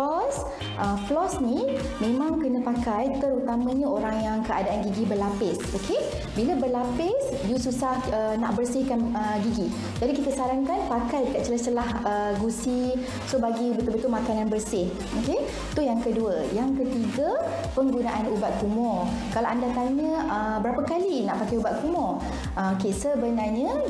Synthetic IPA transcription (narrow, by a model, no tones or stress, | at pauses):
ɔs | ʔəflɔsni | mẽmãŋkənə̃pakajt̪əɾut̪amãɲãoɾaŋjaŋkəʔadaʔanɡiɡibəlapɪsokʰe | bilabərlapɪs | disusahəna̰ʔbərsɪhkanəɡiɡi | d͡ʒadikit̪əsaɾaŋkanpakajdəkat̪̚t͡ʃəlasəlahəɡusi | sobaɡibənt̪ʊlbət̪ʊlʔmakananbərsɪh | oke | t̪ujaŋkəduəjaŋkət̪iɡə | pəŋɡunaʔanubat̪̚kumɔr | kalawʔandat̪aɲə̃əbəɾapəkalinaʔpakajubat̪̚kumɔr | okesəbənarɲə̃